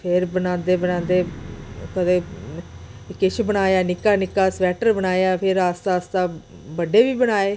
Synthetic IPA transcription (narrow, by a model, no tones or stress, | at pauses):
pʰɪɾbənãːnd̪eːbənãːnd̪eːkəd̪e | kɪʃʰbənaːjaːnɪkaːnɪkaːsʋɛːʈəɾbənaːjaːpʰɪɾaːst̪aːst̪aː | bəɖeːʋiːbənaːeː